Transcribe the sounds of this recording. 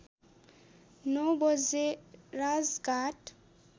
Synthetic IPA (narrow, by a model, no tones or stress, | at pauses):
nobɔzeɾazɡaʈ